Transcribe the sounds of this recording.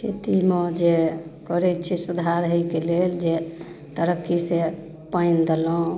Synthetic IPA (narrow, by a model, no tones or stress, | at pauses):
kʰet̪imɔd͡ʒekɔɾɛt͡ʃʰisud̪ʱaɾɦəjkeleld͡ʒe | t̪əɾəkːise | pəɪnd̪elɔ̃